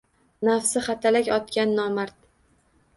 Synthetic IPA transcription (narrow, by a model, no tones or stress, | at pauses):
nafsɪχat̪ʰalakʲɒt̪kʲanːɒmaɾt̪